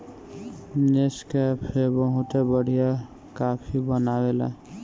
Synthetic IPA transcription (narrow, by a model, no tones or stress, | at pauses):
neskɛpʰebəɦut̪ebəɽ̤ʱija | kaːpʰibənawela̰